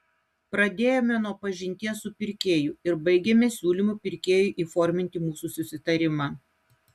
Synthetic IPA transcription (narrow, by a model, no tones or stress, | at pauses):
pɾɐd̪ʲeːjomʲɛnuɔpɐʒʲɪnʲt̪ʲiɛsʊpʲɪɾʲkʲeːjʊˑɪɾbɐɪɡʲɛmʲɛsʲuːlʲimupʲɪɾʲkʲeːjʊˑʔiːfɔɾʲmʲɪnʲt̪ʲɪmuːsusʲʊsʲɪt̪ɐɾʲɪmɑ